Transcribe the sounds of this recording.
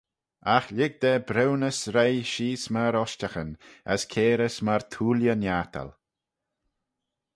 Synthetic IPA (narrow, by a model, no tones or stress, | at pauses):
axlɪɡ̚d̪ɛbɾɛwnəsɾejʃiːsmaɾɔʃtaxənə̰skʰeːɾəsmaɾt̪ʰuːljənjaːt̪ʰə̰l